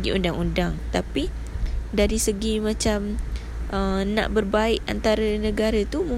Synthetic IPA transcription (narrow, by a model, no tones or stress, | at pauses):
ɡḭundaŋundaŋt̪api | daɾisəɡimãt͡ʃam | ʔəna̰ʔbərbaɪʔant̪aɾənə̃ɡaɾat̪umũ